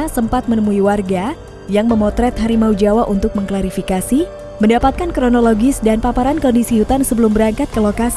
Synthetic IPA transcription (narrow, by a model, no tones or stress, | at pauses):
asəmpat̪̚mənəmuiwarɡa | jaŋməmɔt̪ɾɛt̪ɦaɾimaud͡ʒawaʔunt̪ʊk̚məŋklaɾifikasi | məndapat̪̚kankɾonoloɡɪsdanpapaɾankɔndisiut̪ansəbəlumbəɾaŋkat̪̚kəlokas